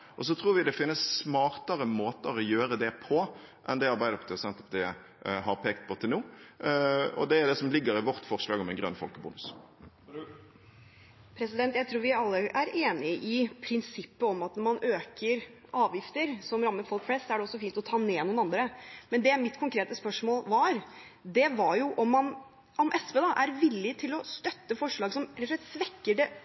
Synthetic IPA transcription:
ʔɔs̬ɔt̪ʰɾuːɾʋɪd̪ɛfɪnːəsːmɑːɾt̪əɾəmoːt̪əɾɔjøːɾəd̪ɛpʰɔ | ʔɛ̰nd̪ɛɑɾbæɪd̪əpʰɔt̪ʰɛsɛnt̪ə̥pt̪ɛ | ɦɑɾpʰeːkt̪̚pʰɔt̪ʰɪlnuː | ɔ̰d̪ɛæɾd̪ɛsɔmlɪɡːəɾɪʋɔɾt̪fɔʁʂlɑːɡɔmɛɪnɡɾœ̰nːfɔ̰lkəbṵːnʉs | pʰɾɛsɪd̪ɛnt̪jæɪt̪ʰɾuːɾʋɪɑlːəʔæɾeːnɪəʔɪpʰɾɪnsɪpːəɔmɑt̪nɔɾmɑnʔøːkəɾ | ʔɑːʋjɪft̪əɾsɔmɾɑmːəɾfɔlkflɛst̪sɔæɖɛɔsːɔfiːnt̪ɔt̪ʰɑːneːnuːnɑnd̪ɾəmɛnd̪ɛmɪt̪kʰʊŋkʰɾeːt̪əspœʂmoːlʋɑɾ | d̪ɛʋɑɾjʊʔɔmːɑn | ʔɔmʔɛsped̪ɑʔæɾʋɪlːɪt̪ʰɪlɔst̪œt̪ːəfɔʂɭɑːɡsɔmɾɛt̪ːʊʂlɛt̪sʋɛkːəɖɛ

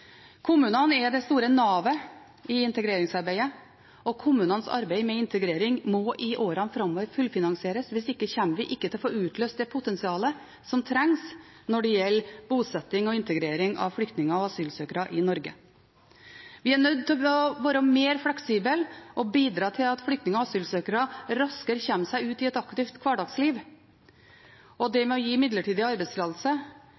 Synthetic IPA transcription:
kʰʊmʉːnənɛd̪ɛst̪uːɾənɑːʋə | ɪɪnt̪əɡɾeːɾɪŋsɑɾbæɪə | ʔɔkʰʊmːʉːnənsɑ̰ɾbæɪmɛɪnt̪əɡɾeːɾɪŋmɔʔɪʔoːɾɑnfɾɑmːɔːʋəɾfʉlfɪnɑŋsɪeːɾəsʋɪsɪkːəçɛnməʋɪʔɪkːət̪ɪlɔfoːʉːt̪ʰløːst̪d̪ɛpʰʊt̪ɛnsɪɑːlə | sɔmt̪ʰɾɛŋs | nɔɖɛjɛlːbuːsɛt̪ːɪŋɔɪnt̪əɡɾeːɾɪŋɑ̰ʋflʏkt̪nɪŋəɑʋɑsyːlsøːkəɾɑʔɪnɔɾɡə̰ | ʋɪæɳœd̪̚t̪ɪɔʋɑːɾəmeːɾflɛksiːbəlʔɔbiːd̪ɾɑːt̪ʰɪlɑt̪flʏkt̪nɪŋəɑʋɑsyːlsøːkəɾɑɾɑskəɾçɛmsæɪʉːt̪ɪɛt̪ɑkt̪ɪft̪kʰʋɑːɖɑksliːʋ | ʔɔd̪ɛmɛɔjiːɪmɪd̪ləʈiːd̪əɑɾbɛɪt̪slɑːd̪lsə

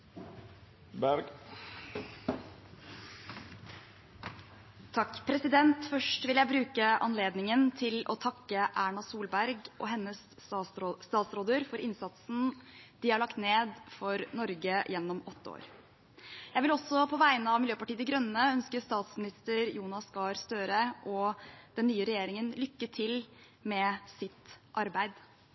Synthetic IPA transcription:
bæɾɡ | t̪ʰɑkːpʰɾɛsɪd̪ɛnt̪fœʂʈʋɪljæɪbɾʉːkəʔɑ̰nleːd̪nɪŋənt̪ʰɪlɔ̰t̪ʰɑkːəʔæːɳɑsuːlbæɾɡʔɔ̰ɦɛnːəs | st̪ɑːt̪sɾoːd̪əɾfɔɾʔɪnsɑt̪sn̩d̪̥ɪhɑɭɑkt̪neːd̪fɔɾnɔɾɡəjɛnːɔmɔt̪ːəo̰ːɾ | jæɪʋɪlɔsːɔpʰɔʋæɪnəɑʋmɪljøːpɑʈiːd̪ɪɡɾœnːəœnskəɾst̪ɑːt̪smɪnɪst̪əɾjuːnɑskɑːɾst̪øːɾəʔɔd̪̥ɛnːyːəɾɛjeːɾɪŋənlʏkːəʈʰɪl | mɛsɪt̪ʔɑɾbæɪd̪

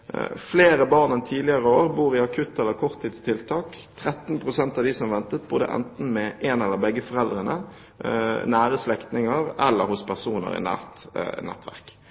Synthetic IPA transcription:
fleːɾəbɑːʁnənt̪ʰiːdlɪəʁəoːɾbuːɾɪɑkʰʉt̪ːɛlːəkʰɔʁt̪ʰːiːd̪st̪ʰɪlt̪ʰɑːk | t̪ʰɾɛt̪npʰʁʊsɛnt̪ɑʋd̪ɪsɔmʋɛnt̪ət̪̚bʊd̪ə̰ʔɛ̰nt̪n̩mɛʔɛnɛlːəbɛɡːəfɔʁɛld̪ʁənə̰ | næːɾəslɛkt̪nɪŋəɾɛ̰lːə̰ɾhʊspʰæʁsuːnə̰ɾɪ̰næ̰ːʁt̪nɛ̰t̪ʋæ̰ʁk

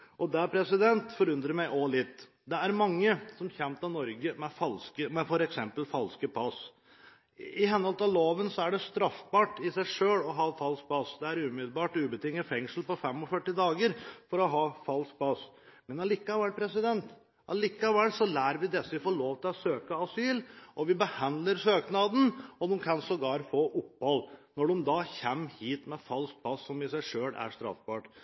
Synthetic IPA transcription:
ʔɔd̪ɛæpʰɾɛsɪd̪ɛnt̪fɔɾʉnd̪ɾəmæɪʔɔlɪt̪ː | d̪ɛæɾmɑŋːəsɔmçɛmt̪ɑʋnɔɾɡəmɛfɑlskəmɛfɔɾɛksɛmpəlfɑlskəpʰɑs | ɪɦɛnɔlt̪ɑʋloːʋənsɔæɖɛst̪ɾɑfbɑːʈɪsæɪʂøːlɔɦɑːfɑlsk̚pʰɑsd̪ɛæɾʉːmɪd̪lbɑːʈʉːbət̪ʰɪŋːəfɛŋsl̩pɔfɛmɔfœʈːɪd̪ɑːɡəɾfɔɾɔɦɑːfɑlsk̚pʰɑs | mɛnɑlikːɑʋæɭpʰɾɛsɪd̪ɛnt̪ | ʔɑlikːɑʋɛlːsɔlæːɾʋɪd̪ɛsːəʋɪfoːɭoːʋt̪ʰɪlɔsøːkəɑsyːlʔɔʋɪbəhɑnd̪ləɾsøːknɑd̪n̩ɔd̪ɛmkʰɑnsɔɡɑːɾfoːʔʊpːhɔlːnɔɖʊmd̪ɑːçɛmhiːt̪mɛfɑlsk̚pʰɑsːɔmɪsæɪʂøːlæ̰ɾʂt̪ɾɑ̰fbɑːʈ

